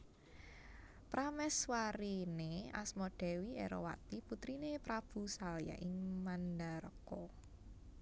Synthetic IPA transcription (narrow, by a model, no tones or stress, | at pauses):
pɾamɛswaɾinea̰smoɖ̥ɛ̤wiʔḛɾo̰wa̰t̪iput̪ɾinepɾab̥ṳsalja̰ʔɪŋmand̪aɾə̰ko